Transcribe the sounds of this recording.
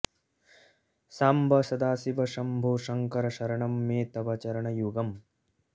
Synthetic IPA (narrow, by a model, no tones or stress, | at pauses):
saːmbʱɐsɐd̪aːsibɐʃɐmbʱoːʂɐŋkɐɾɐʃɐɾɐɳɐmːeːt̪ɐbɐt͡ʃɐɾɐɳɐjuɡɐm